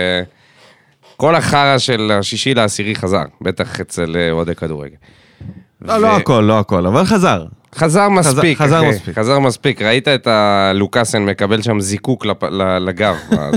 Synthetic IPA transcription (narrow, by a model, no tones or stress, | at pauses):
ko̞laχaʁaʃe̞laʃiʃilaːsiʁiχaza̰ʁbe̞t̪aχet͡seleod̪ekad̪uʁḛɡel | voloakolːoakolavalχazaʁχazaʁmaspikazasχazaʁmaspikʁait̪aet̪alukasenme̞kabe̞lʃamzikuklalalaɡava̰